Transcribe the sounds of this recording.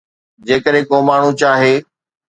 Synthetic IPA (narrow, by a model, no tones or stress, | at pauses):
d͡ʑeːkəɾɦẽkoːmaːɳ̤ũt͡ɕaːɦeː